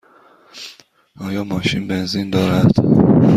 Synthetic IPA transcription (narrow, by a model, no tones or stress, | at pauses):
ɒːjɒːmɒːʃinbenzind̪ɒːɾæd̪̥